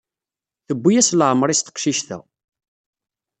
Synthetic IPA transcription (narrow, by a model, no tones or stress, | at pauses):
θəbːijæslʕəmːɾˤist̪ə̥qʃiʃθæ̰